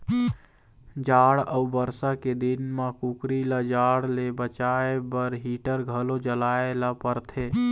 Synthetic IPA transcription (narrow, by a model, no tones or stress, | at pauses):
d͡ʒaɽəubəɾsaked̪inmãkukɾilad͡ʒaɽlebət͡ʃaebəɾɦiʈəɾɡʱəlod͡ʒəlaelapəɾt̪ʰe